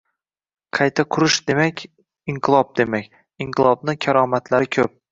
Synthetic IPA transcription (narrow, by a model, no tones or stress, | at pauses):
qʰɑjt̪ʰaqʰʊɾɪʃd̪e̞makʲ | iɴqʰɨlˠɒb̚d̪e̞makʲ | iŋqʰɨlˠɒbnɪkʲʰaɾɒmat̪laɾɪkʲʰɵp̚